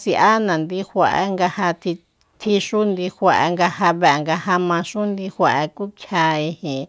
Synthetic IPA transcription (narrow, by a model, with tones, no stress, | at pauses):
si˧ʔa˦nã˨nd̪i˦hʷa˧ʔa̰˦ŋɡa˧ha˧t̪ʰi˧ | t̪ʰi˧ʃu˦nd̪i˧hʷa˧ʔa̰˧ŋɡa˧ha˧βe˧a˨ŋɡa˧ha˧mã˧ʃu˦nd̪i˧hʷa˧ʔa˧ku˦kʰja˧i˧hĩ˨